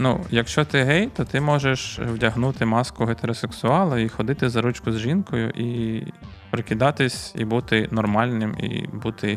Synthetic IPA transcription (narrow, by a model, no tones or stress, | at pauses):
nujɐkʃt͡ʃɔt̪ɪɦɛjt̪ɔt̪ɪmɔʒeʃwdʲɐɦnut̪ɪmɑskʊɦet̪eɾɔseksʊɑlˠɐixɔd̪ɪt̪ɪzɐɾut͡ʃkʊzʒinkɔjʊ̰ʔi | pɾɪkʲɪd̪ɑt̪ɪsʲḭbut̪ɪnɔrmɑlʲnɪmḭbut̪ɪ